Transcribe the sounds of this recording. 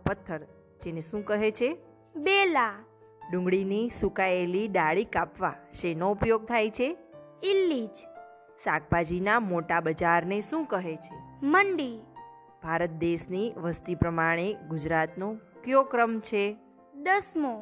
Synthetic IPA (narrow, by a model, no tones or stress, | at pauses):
pət̪ʰːəɾ | d͡ʒeneʃũkəɦet͡ʃʰe | bela | ɖʊ̃ŋɡɭinisukaeliɖaɭikapʋaʃenoupjoɡ̚t̪ʰajt͡ʃʰeilːid͡ʒ | sak̚bad͡ʒinamoʈabəd͡ʒaɾneʃũkəɦet͡ʃʰeməɳɖi | b̥ʱaɾət̪̚d̪eʃniʋəst̪ipɾəmaɽ̃eɡʊd͡ʒɾat̪nõkjokɾəmt͡ʃʰe | d̪əsmo